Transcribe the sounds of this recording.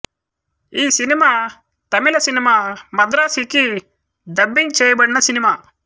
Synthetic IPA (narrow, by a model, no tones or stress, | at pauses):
iːsinimaː | t̪ɐmilɐsinimaːmɐd̪ɾaːsiki | d̪ɐbːiŋɡt͡ʃeːjɐbɐɽinɐsinimaː